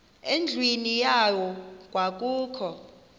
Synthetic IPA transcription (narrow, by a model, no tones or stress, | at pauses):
end͡ɮʱwinijawɔk̬ʼwak̬ʼuːkʰɔ